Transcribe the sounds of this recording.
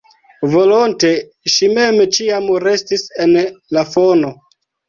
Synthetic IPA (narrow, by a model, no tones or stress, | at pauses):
volonte̞ | ʃime̞mt͡ʃiamɾe̞stise̞nlafo̞no̞